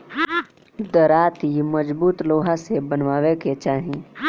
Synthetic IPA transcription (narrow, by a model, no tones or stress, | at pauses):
d̪əɾaːt̪iməd͡ʒbuːt̪loːɦasebənʋaːʋeket͡ʃaːɦĩ